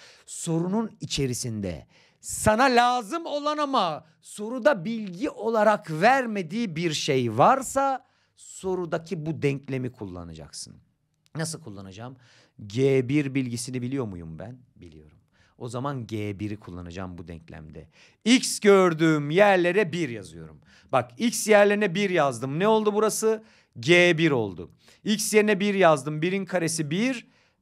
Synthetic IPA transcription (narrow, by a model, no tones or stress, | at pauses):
so̞ɾununit͡ʃʰe̞ɾisind̪ɛ̰ | sanalʲaːzɯmo̞lˠanama | so̞ɾud̪abilʲɟiʔo̞lˠaɾakvæɾme̞d̪iːbiɾʃejvaɾsa | so̞ɾud̪acʰibud̪ɛɲclʲe̞mikʰulˠːa̰nad͡ʒa̰ksɯ̰n | nasɯlˠkʰulˠːanad͡ʒaːm | ɟeːbiɾbilʲɟisinibilʲijo̞ɾmujṵmbæn | bilʲḭjo̞ɾum | o̞zamanɟeːbiɾikʰulˠːa̰nad͡ʒa̰mbud̪ɛ̰ɲclʲæ̰md̪ɛ̰ | icsɟøɾd̪yːmjæɾlʲe̞ɾɛbiɾjazɯjo̞̰ɾum | bakicsjæɾlʲeɾinɛbiɾjazd̪ɯmnɛo̞lˠd̪ubuɾasɯ | ɟeːbiɾo̞lˠd̪ʊ̰ | icsjeɾinɛbiɾjazd̪ɯmbiɾinkʰaɾesibiɾ